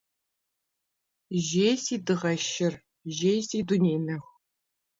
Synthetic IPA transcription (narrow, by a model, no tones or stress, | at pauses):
ʒeːjsiːdɨʁɐʃɪr | ʒeːjsiːdunʲeːnɐxʷ